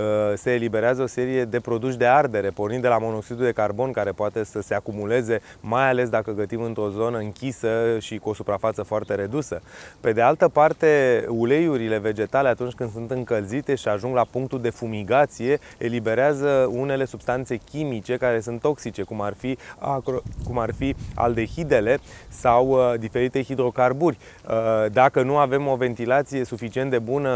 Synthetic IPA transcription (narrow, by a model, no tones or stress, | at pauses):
se̞ːlibe̞ɾeazəo̞se̞ɾije̞d̪e̞pɾo̞d̪uʃ̬d̪e̞ard̪e̞ɾe̞pornĩnd̪d̪e̞lamo̞no̞ksid̪ud̪e̞karbo̞nkaɾe̞poat̪e̞səse̞akumule̞ze̞majale̞s̬d̪akəɡət̪imɨnt̪ɾo̞zo̞nəɨŋkʲisəʃikuo̞supɾafat̪səfoart̪e̞ɾe̞d̪usəpe̞d̪ealt̪əpart̪e̞ule̞juɾile̞ve̞d͡ʒe̞t̪ale̞at̪unt͡ʃʲkɨnd̪sunt̪ɨŋkəlzit̪e̞ʃiaʒuŋɡlapuŋk̚t̪uld̪e̞fumiɡat̪sije̞ | elibe̞ɾeazəune̞le̞sub̥st̪ant̪se̞kʲimit͡ʃe̞kaɾe̞sunt̪ːo̞ksit͡ʃe̞kumarfiakokumarfia̰ld̪e̞çid̪e̞le̞sawd̪ife̞ɾit̪e̞xid̪ɾo̞karburʲ | d̪akənuave̞mo̞ve̞nt̪ilat̪sije̞sufit͡ʃient̪d̪e̞bunə